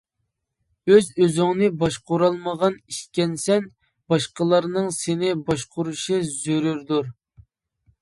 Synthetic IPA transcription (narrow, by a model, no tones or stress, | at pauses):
øzøzyŋnɪbɑʃqoɾɑlˠməʁɑniʃkʲɛnsɛn | b̥ɑʃqəlˠɑɾnɨŋsenɪbɑʃqʊɾuʃɨzøɾyɾd̪uɾ